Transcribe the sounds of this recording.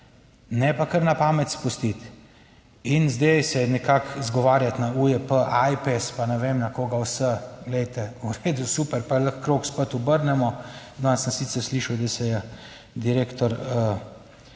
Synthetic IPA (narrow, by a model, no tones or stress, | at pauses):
nɛpakəɾnapaːmɛt̪spust̪it̪ | inzd̪ejsɛnɛkakzɡɔʋaːɾjat̪naujɛpəʔajpɛspanɛʋeːmnakoːɡawsəɡlɛjt̪ɛuɾeːd̪usupɛɾpaləxkɾoːkspət̪ʊbəɾnɛmɔd̪ɔansənsiːt̪səɾsliːʃɐwd̪d̪ɛsɛjɛ | d̪iɾeːkt̪ɔɾə